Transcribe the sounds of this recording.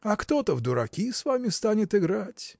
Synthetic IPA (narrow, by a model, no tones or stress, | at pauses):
ɐkt̪o̞t̪əvd̪ʊɾɐ̰kʲisvamʲɪst̪anʲɪt̪ɪɡɾatʲ